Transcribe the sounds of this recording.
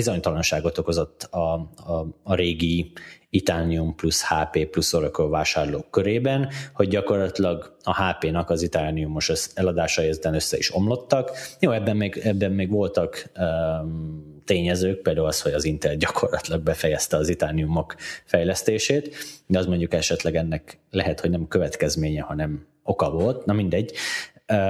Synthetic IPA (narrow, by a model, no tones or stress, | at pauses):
izo̞ɲt̪ɒlɒnʃaːɡo̞t̪o̞ko̞zo̞t̪ːɒː | ɾeːɡiit̪aːniumplushaːpeːplusːoɾokolvaːʃaːrlo̰ːkːøɾeːbɛnho̞ɟ̚ɟɒko̞rlɒt̪ilɒɡɒhaːpeːnɒkɒzit̪aːniumoʃøsɛlɒd̪aːʃɒjɛzɛt̪ɛnøsːɛiʃo̞mlo̞t̪ːɒkjoːɛbːɛmːeːɡɛbːɛmːeːɡʋo̞lt̪ɒkː | t̪eːɲɛzøːk̚peːld̪aːulɒsho̞ɟɒzint̪ɛlɟɒkʰo̞rlɒt̪ilɒɡ̚bɛfɛjɛst̪ɛɒzit̪aːniumo̞kfɛjlɛst̪eːʃeːt̪d̪ɛɒsmo̞ɲɟukɛʃɛt̪lɛɡɛnːɛklɛɦɛt̪ho̞ɟnɛmkøvɛt̪kɛzmeːɲɛhɒnɛm | o̞kɒvo̞lt̪nɒmind̪ɛɟː